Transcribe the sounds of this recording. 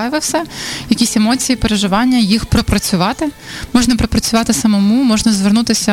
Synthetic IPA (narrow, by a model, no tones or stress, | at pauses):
ʋɐwsɛjɐkʲisʲemɔt͡sʲijipeɾeʒɪʋɑnʲːɐjixpɾɔpɾɐt͡sʲʊʋɑt̪ɪmɔʒnɐpɾɔpɾɐt͡sʲʊʋɑt̪ɪsɐmɔmumɔʒnɐzʋernut̪ɪsʲɐ